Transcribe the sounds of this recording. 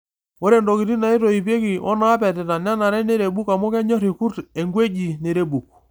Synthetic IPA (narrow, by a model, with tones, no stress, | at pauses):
wo˦ɾɛ˨ndɔ˨ki˨ti˦na˨i˦tɔ˨i˨pe˦ki˨ʔɔ˦na˦pɛ˨tɛ˨ta˨n˦a˦na˨ɾɛ˦ne˦ɾe˨ɓu˦ka˨mo˦kɛ˦ɲɔ˦ɾi˨ku˦tɛ˨ŋɡwe˦d͡ʒi˨ne˨ɾe˦bu˨k̚